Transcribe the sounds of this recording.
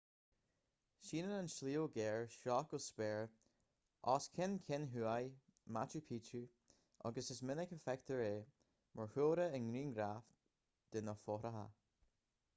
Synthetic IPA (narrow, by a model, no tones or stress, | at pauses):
ʃiːnənanʃliːoɡɛːɹʃɑkʊspɛːɹ | ʔɑːskʰɪnkʰɪnɦuːaj | mat͡ʃupʰiːtu | ʔɔ̰ɡəsɪsmɪnəkəfɛk̚t̪ʰəɹeː | mʔəɹhoːɾəənɡɹiːnɡɾaːf | d̪̥ɪnəfɔɾəɦa̰